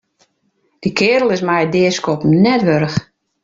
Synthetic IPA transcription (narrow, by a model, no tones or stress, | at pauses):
d̥ikʰɪːɾəl̩ˠɪsmɛjdɪːəskɔpnɛtʋøɾəx